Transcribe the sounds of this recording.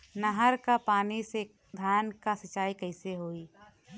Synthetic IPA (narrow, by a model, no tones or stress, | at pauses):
nɐɦəɾkapaːnise | d̪ʱaːnkasɐt͡ʃaːikɐɪseɦoːiː